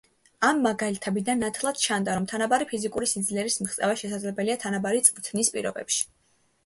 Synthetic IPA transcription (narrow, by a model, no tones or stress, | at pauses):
amːaɡalit̪ʰɛbid̪anːat̪ʰlˠad̪̥t͡ʃʰand̪aɾɔmt̪ʰanabaɾipʰizikʼuɾisid̪zlɛɾismiχt̪sʼɛ̰vaʃɛs̬ad̪zlɛbɛliat̪ʰanabaɾit̪sʼmt̪ʰnispʼḭɾɔ̰bɛ̰pʃi̥